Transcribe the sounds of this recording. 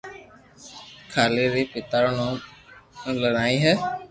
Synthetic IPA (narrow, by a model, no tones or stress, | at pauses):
kʰaleɾipɪt̪aɾnɔ̃ | lənaːĩɦɛ